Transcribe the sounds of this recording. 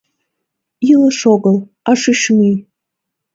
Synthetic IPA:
ilɨʂoɡəl | aʂɨʃmij

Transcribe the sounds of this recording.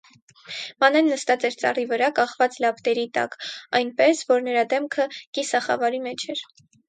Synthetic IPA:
mɑnɛnːəst̪ɑt͡sɛɾt͡sɑ̰rivəɾɑkɑχvɑt͡slɑpt̪ɛɾit̪ɑ̰kɑjnpɛsvɔɾnəɾɑd̪ɛmkʰəkisɑχɑ̰vɑɾimɛt͡ʃʰɛɾ

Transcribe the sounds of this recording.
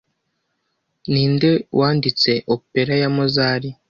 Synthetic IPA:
niːnde̞wʔaːndit͡se̞ʔope̞ɾajamozaːɾi

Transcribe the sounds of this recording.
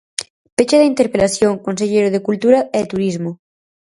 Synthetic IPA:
pet͡ʃaðeint̪eɾpelaθjoŋkons̬eʎejɾoð̞ekult̪uɾaɛt̪uɾizmo

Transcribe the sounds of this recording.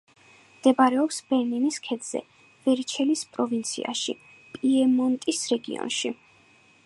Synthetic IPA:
md̪̥ɛbaɾɛɔpsbɛɾniniskʰɛd̪z̥ɛ̰ | v̥ɛɾt͡ʃʰɛlispʼɾɔvint̪sʰḭa̰ʃḭ | pʼiɛmɔnt̪ʼisɾɛɡḭɔ̰nʃi

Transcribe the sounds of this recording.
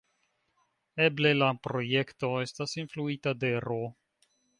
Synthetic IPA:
e̞ble̞lapɾo̞je̞kto̞e̞stasinfluitade̞ɾo

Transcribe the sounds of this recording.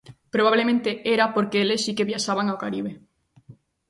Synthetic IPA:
pɾoβaβlemẽnt̪eʔeɾapoɾkeelessikeβjaʃaβaŋaokaɾiβ̞e

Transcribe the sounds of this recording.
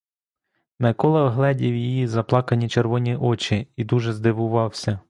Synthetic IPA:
mekɔlˠɐwɦlˠɛdʲiwjijizɐplˠɑkɐnʲit͡ʃerʋɔnʲiʔɔt͡ʃʲiid̪uʒɛzd̪ɪʋʊʋɑwsʲɐ

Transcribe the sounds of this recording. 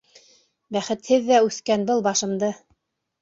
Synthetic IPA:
bæχɘt̪hɘðːæʉθkænbɤlˠbɑʃɤ̆md̪ɤ

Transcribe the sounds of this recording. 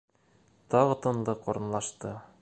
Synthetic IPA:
t̪ɒʁɤ̆t̪ɤ̆nlˠɤqŏɾɤ̆nlˠɑʃt̪ɤ

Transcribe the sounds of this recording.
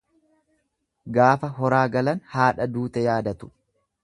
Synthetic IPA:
ɡaːfɐɦɔɾaːɡɐlɐnhaːᶑɐd̪uːt̪ɛjaːd̪ɐt̪ʊ̥

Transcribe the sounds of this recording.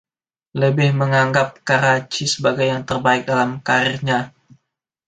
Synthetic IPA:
ləbɪhməŋaŋɡap̚kaɾat͡ʃisəbaɡajːaŋt̪ərbaɪk̚dalamkaɾɪrɲa

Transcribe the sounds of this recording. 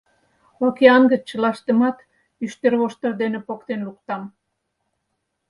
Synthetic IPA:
ɑkeɑŋɡə̆t͡ɕːə̆lɑʃt̪ə̆mɑt̪ | yʃt̪erβoʃt̪ə̆rd̪enepokt̪enlukt̪ɑm

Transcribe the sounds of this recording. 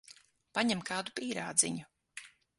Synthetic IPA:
paɲɛmkaːd̪upiːɾa̰ːd̪zḭɲu

